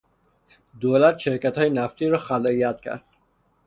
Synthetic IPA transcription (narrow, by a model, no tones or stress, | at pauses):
d̪olat̪ʃeɾkat̪hɔːjenaft̪iɾɔxalijat̪kʰa̰ɾd̪